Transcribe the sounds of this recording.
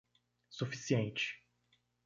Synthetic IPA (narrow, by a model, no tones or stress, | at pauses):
sufisiẽnt͡ʃɪ̥